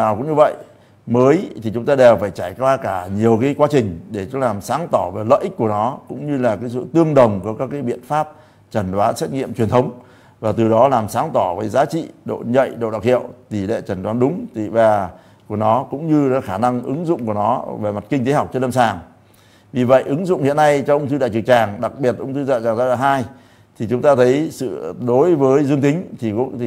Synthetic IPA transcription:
naː˨˩wkʊ̰˧˥ŋ͡mɲɨ˧və̰˧˨j | məː˨˦jt̪ʰi˨˩t͡ɕʊ˨˦ŋ͡mt̪aː˧ɗe˨˩wfaː˧˩jt͡ɕaː˧˩jkwaː˧kaː˧˩ɲi˨˩əwkaː˨˦jkwa˨˦t͡ɕï˨˩ŋ̟ɗe˧˩t͡ɕʊ˨˦laː˨˩msaː˨˦ŋt̪ɔ˧˩ve˨˩lə̰ː˧˨ʔï˦˥k̚ku˧˩ənɔ˨˦kʊ̰˧˥ŋ͡mɲɨ˧laː˨˩kaː˨˦jsɨ̰˧˨t̪ɨ˧əŋɗə˨˩wŋ͡mku˧˩əkaː˦˥kːaː˨˦jɓḭ˧˨ənfaː˦˥p̚ | t͡ɕə˧˩nɗwaː˨˦nsɛ˦˥t̚ŋḭ˧˨əmt͡ɕwi˨˩ənt̪ʰwŋ͡m | vaː˨˩t̪ɨ˨˩ɗɔ˨˦laː˨˩msaː˨˦ŋt̪ɔ˧˩vəː˨˦jzaː˨˦t͡ɕḭ˧˨ɗo̰˧˨ɲə̰˧˨jɗo̰˧˨ɗa̰˨˩w̚hḭ˧˨əwt̪i˧˩lḛ˧˨t͡ɕə˨˧˩nɗwaː˨˦nɗʊ˨˦ŋ͡mt̪vaː˨˩ | ku˧˩ənɔ˨˦kʊ̰˧˥ŋ͡mɲɨ˧ɔ˨˦xaː˧˩na˧ŋʔɨ˨˦ŋzʊ̰˧˨ŋ͡mku˧˩ənɔ˨˦ve˨˩ma˨˩t̚ki˧ŋt̪e˨˦ha˨˩wk͡p̚t͡ɕɔ˧nlə˧msaː˨˩ŋ | vi˨˩və̰˧˨jʔɨ˨˦ŋzʊ̰˧˨ŋ͡mhi˧˨əna˧jt͡ɕɔ˧wʔʊ˧wŋ͡mt̪ʰɨ˧ɗa̰˧˨t͡ɕɨ˨˩t͡ɕaː˨˩ŋɗa˨˩k̚ɓi˨˩ət̚ʔə˧ŋ͡mt̪ʰɨ˧za̰ː˧˨t͡ɕaː˨˩ŋzaː˧laː˨˩ɦaː˧j | t̪ʰi˨˩t͡ɕʊ˨˦ŋ͡mt̪aː˧t̪ʰə˨˦jsɨ̰˧˨ɗo˨˦jvəː˨˦jzɨ˧əŋt̪ï˨˦ŋ̟t̪ʰi˨˩k̪

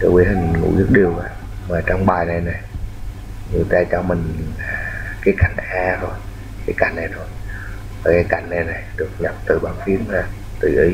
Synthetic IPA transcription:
tɔ̰˧˩wḭ˨˧˦hï˨˩ŋ̟ŋṵ˧˥zɨ˦˥t̚ɗi˨˩əwvaː˨˩ | maː˨˩t͡ɕɔ˧wŋ͡mɓaː˨˩jna˨˩jna˨˩j | ɲɨ˨˩t̪aː˧t͡ɕɔ˧mï˨˩ŋ̟laː˨˩kaː˨˦jka˨˩jŋ̟ʔaː˧zo˨˩j | kaː˨˦jka˨˩jŋ̟na˨˩jtʰo˨˩j | vaː˨˩kaː˨˦jka˨˧˩jŋ̟na˨˩jna˨˩jɗɨ˨˩ək̚ɲə˨˩p̚t̪ɨ˨˩ɓaː˨˧˩nfi˨˦əmhaː˧˩ | t̪ɨ˨˩ʔi˨˦

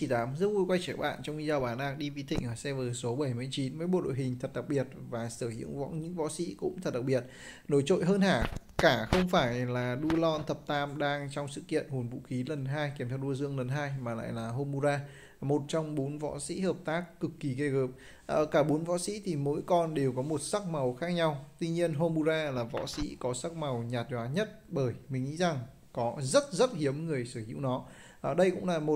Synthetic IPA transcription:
t͡ɕi˧˩t̪aː˨˦mzt̚vu˧jkwa˧jt͡ɕi˧˩ɓa̰ː˧˨nt͡ɕɔ˧wŋ͡mʔi˧zaː˧˩wɓaː˧˩nʔaː˧k̚ɗi˧vi˨˦t̪ʰï˧˩ŋ̟vaː˨˩sɛ˧vəː˨˩so˨˦ɓə˧˩jmɨ˧˩əjt͡ɕi˨˦nməː˨˦jɓo̰˧˨ɗo̰˧˨jɦï˨˩ŋ̟t̪ʰə˨˩t̚ɗa˨˩k͡p̚ɓi˨˩ət̚vaː˨˩səː˧˩hḭ˧˥əwvɔ̰˧˥ɲɨ̰˧˥ŋvɔ̰˧˥sḭ˧˥kʊ̰˧˥ŋ͡mt̪ʰə˨˩t̚ɗa˨˩ɓi˨˩ət̚ | no˧˩jt͡ɕo̰˧˨jɦəː˧nhaː˧˩kaː˧˩xə˧wŋ͡mfaː˧˩jlaː˨˩ɗu˧lɔ˧nt̪ʰə˨˩p̚t̪aː˧mɗaː˧ŋt͡ɕɔ˧wŋ͡msɨ̰˧˨kḭ˧˨ənho˨˩nvṵ˧˥xi˨˦lə˨˩nɦaː˧jkmt̪ʰaː˧˩ɗu˧əzɨ˧əŋlə˨˩nɦaː˧jmaː˨˩la̰ː˧˨jlaː˨˩ɦo˧mːu˧zaː˧ | mo˨˩t̚t͡ɕɔ˧wŋ͡mɓo˨˦nvɔ̰˧˥sḭ˧˥ɦəː˨˩p̚t̪aː˦˥kːɨ˨˩kːi˨˩ke˧ɣəː˨˩p̚ | ʔəː˧˩kaː˧˩ɓo˨˦nvɔ̰˧˥sḭ˧˥t̪ʰi˨˩mo̰˧˥jkɔ˧nɗe˨˩wkɔ˨˦mo˨˩t̚sa˦˥k̚ma˨˩wxaː˦˥k̚ɲa˧wt̪wi˧ɲi˧ənɦo˧mu˧zaː˧laː˨˩vɔ̰˧˥sḭ˧˥kɔ˨˦sa˦˥k̚ma˨˩wɲaː˨˩t̚zwaː˨˦ɲə˦˥t̚ɓəː˧˩jmï˨˩ŋ̟ŋḭ˧˥za˨˩ŋ | kɔ˨˦zə˦˥t̚zə˦˥t̚hi˨˦əmŋɨ˨˩əjsɨ˧˩hḭ˧˥wnɔ˨˦ | ʔɗə˧jkʊ̰˧˥ŋ͡mlaː˨˩mo˨˩t̚

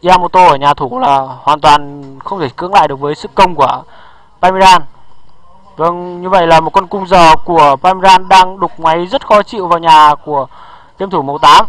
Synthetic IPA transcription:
ʔi˧aː˧mo˨˩t̪̚o˧ʔəː˧˩ɲaː˨˩t̪ʰu˧˩˦laː˨˩hwaː˨˩nt̪waː˨˩nxə˧wŋ͡mt̪ʰe˧˩kɨ̰˧˥əŋla̰ː˧˨jɗək̚vəː˨˦jsɨ̰˧˨kːə˧wŋ͡mku˧˩ə | paː˧mi˧zaː˧n | və˧ŋɲɨ˧və̰˧˨jlaː˨˩mo˨˩kwə˧nkʊ˧ŋ͡mzəː˨˩ku˧˩əpaː˧mi˧zaː˧nɗaː˧ŋɗʊ˨˩k͡p̚ma˨˦jzə˦˥t̚xɔ˨˦t͡ɕḭ˧˨wvaː˨˩wɲaː˨˩ku˧˩ə | t̪i˧mt̪ʰu˧˩mə˨˦wt̪aː˨˦m

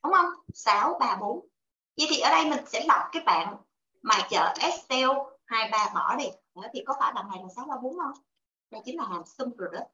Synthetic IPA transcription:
ɗʊ˨˦wŋ͡mhə˧wŋ͡msaː˨˦wɓaː˧ɓo˨˦n | ɲḭ˧˥˩t̪ʰi˨˩ʔəː˧˩ɗə˧jmï˨˩ŋ̟sɛ̰˧˥la˨˩wk͡p̚kaː˨˦jɓa̰ː˧˨n | maː˨˩t͡ɕə̰ː˧˨ʔɛ˦˥s̚tɛ˧whaː˧jɓaː˧mɔ̰˧˩ɗi˨˩ɗə˧˨˩t̪ʰi˨˩kɔ˨˦faː˧˩jlaː˨˩na˨˩jla˨˩saː˨˦wɓaː˧ɓo˨˦nə˧ŋ͡m | zaː˨˩t͡ɕï˨˦ŋ̟laː˨˩laː˨˩msɨ˧mzo˨˩ɗə˨˦

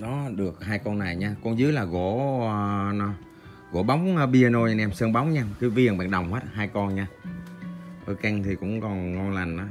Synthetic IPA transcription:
ɗɔ˨˦ɗɨ˨˩ək̚haː˧jkɔ˧nːa˨˩jɲaː˧kɔ˧nzɨ˨˦jlaː˨˩ɣo˧˩˧ | n˨˦ | ɣo̰˧˩ɓa˨˦wŋ͡məː˧ɓi˧ə˧no˧ja˧ʔɛ˧msə˧nɓa˨˦wŋ͡mɲaː˧ki˨˦vi˧əŋɓɛ̰ː˧˨nɗə˨˩wŋ͡mhwəː˦˥t̚ɦaː˧jkɔ˧nɲaː˧ | ʔəː˧ka˧jŋ̟t̪ʰi˨˩kʊ̰˧˥ŋ͡mkɔ˨˩nŋɔ˧nla˨˩ŋ̟ʔaː˨˦

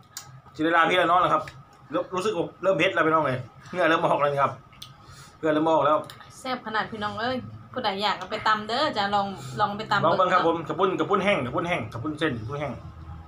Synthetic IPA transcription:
si˧˩dːlaː˧p̪ʰi˧˥˨aː˧nɔː˧˥˨la˧˩kʰa˧˥p̚ː | ɾuː˦˥sɯ˨k̚a˧˩lɤː˧˥˨mhe˧t̪̚lɛ˧˩pʰːnɔː˧˥˨lɤː˧˩ŋɯ˧˩ɐlɤː˧˩˨mʔɔː˨˩k̚a˧˥˨i˧˩kʰa˧˥p̚ | pʰɯ˧˩˨lɤː˧˩˨mʔɔː˧˩k̚lɛː˧˩wsɛː˥˩p̚kʰa˧naː˨˩t̪̚pʰiː˧˨nɔː˧˥˨ŋʔɤː˧˥˨jpʰuː˧˩da˨˦jːaː˨˩k̚a˧˩pa˨˦jt̪a˧mdɤː˧˥t͡ɕa˨˧˨lɔː˧ŋlɔː˧˨ŋp̬a˨jt̪a˧m˨ɔː˧ŋbɤ˧ŋkʰa˦˥˧pʰːo˨˦mka˨˧˩pʰu˧˥˨nka˧˩pʰu˧˥˨nɦɛ˧˩ŋka˨˩pʰu˧˥˨nɦɛ˧˩ŋkʰa˧˩p̬ʰu˧˥˨nse˧˥˩n˨˩pʰu˧˥˨nhɛ˧˩ŋ

